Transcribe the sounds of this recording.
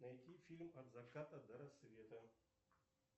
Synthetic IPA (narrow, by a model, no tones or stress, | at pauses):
nɐjt̪ʲifʲilʲmɐd̪vɐkat̪ɐd̪ɐɾɐsvʲet̪ə